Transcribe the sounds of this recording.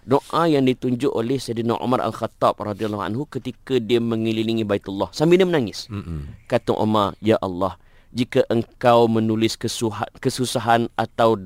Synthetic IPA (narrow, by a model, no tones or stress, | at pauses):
doʔajaŋdit̪uɲd͡ʒʊʔolɛhsajd̪na̰rʔṵmaɾa̰lxat̪ɔb̚rɑd̪ialːɔha̰nɦukət̪ikadiəmə̃ŋililiŋĩbait̪ulːɔhsambinəmənaŋɪskat̪ʊ̰ŋʔo̰marjaʔɑlːɔh | d͡ʒikaʔəŋkawmə̃nulɪskəsuakəsusaɦanʔat̪aw